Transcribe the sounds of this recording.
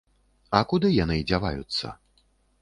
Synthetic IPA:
ɐkud̪ɨjanɨd͡zʲava̰jṵt̪sːɐ̰

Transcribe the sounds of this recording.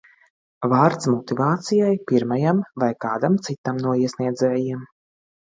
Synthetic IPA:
vaːɾt̪smɔt̪ivaːt̪sijajpiɾmajamvajkaːd̪amt̪sit̪amnuɔiɛsniɛd̪zɛːjiɛm

